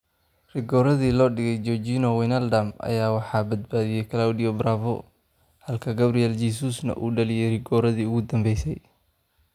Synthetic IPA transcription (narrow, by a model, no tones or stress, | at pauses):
rɪɡɔːɾɐðiːlɔːɖɪɣɛjd͡ʒɔd͡ʒinɔwɛnɐld̪ɐmɐ̰jaːwɑħɑːbɐd̪̚baːðijɛjkʰɐlawd̪iɔbɾaːvɔ̰ | hɐlkʰɐɡɐbɾijɛld͡ʒiːsusnɐ̰ʔṵːɖɐlɪjɛjrɪɡɔːɾɐðiːʊɣʊd̪ɐmbɛjsɛj